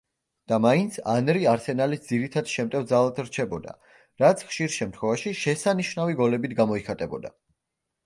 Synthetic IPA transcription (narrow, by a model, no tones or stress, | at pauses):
d̪̥amaint̪sʰanɾiaɾsɛnalisd̪ziɾit̪ʰad̪̥ʃɛmt̪ʼɛvd̪zalˠat̪ɾt͡ʃʰɛbɔd̪a̰ | ɾat̪sʰχʃiɾʃɛmt̪ʰχwɛvaʃiʃɛsaniʃnaviɡɔlɛbit̪ʰɡamɔiχat̪ʼɛbɔd̪a̰